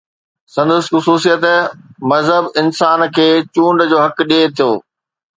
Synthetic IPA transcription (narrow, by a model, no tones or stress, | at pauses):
sɐ̃nd̪əsxʊsuːsijət̪mɐzɦəbɪnsaːnkʰeːt͡ɕũːɳɖd͡ʑoːɦɐkɗeːt̪ʰijoː